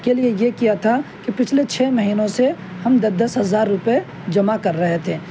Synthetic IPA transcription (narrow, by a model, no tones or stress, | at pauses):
keliejekijat̪ʰakipɪt͡ʃʰlet͡ʃʰɛːmɐɦiːnõse | hɐmd̪ɐd̪ɐsɦɐzaːɾːʊpe | d͡ʒɐmakɐɾːɐɦet̪ʰeː